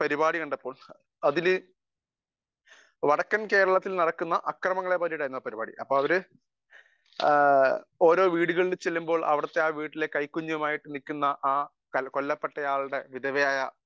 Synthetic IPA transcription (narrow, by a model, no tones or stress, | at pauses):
pɐɾibaːɽiɐɳɖɐpːo̞ːɭ | ɐðilɨ | ʋɐɽɐkːɐnke̞ːɾɐɭɐt̪ːilnɐɽɐkːunːɐʔɐkrɐmɐŋːɐɭe̞pɐɾijiɽaːjɾunːɐpɐɾibaːɽḭʔɐpːoːɭɐʋɐɾɨ | o̞ːɾo̞ːʋiːɽuɣɐɭilt͡ɕe̞lːumbo̞ːɭʔɐ̰ʋɐɽɐt̪ːeaːʋiːʈːile̞kɐjkːuɲːuʋɐmaːjiʈːɨnikʲːunːɐʔaː | kɐko̞lːɐpːeʈːɐjaːɭɽe̞ʋiðɐʋɐjaːjɐ